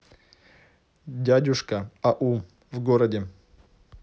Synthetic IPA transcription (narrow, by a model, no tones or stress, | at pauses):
dʲadʲʊʂkɐɐʔu | vɡoɾɐdʲɪ